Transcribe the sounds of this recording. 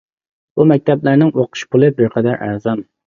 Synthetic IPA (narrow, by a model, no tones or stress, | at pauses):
bumɛk̚ʲt̪ʰɛplæɾnɪŋoqʰʊ̥ʃpʰulˠɨbɪɾqʰɛd̪æɾʔæ̰ɾzɑm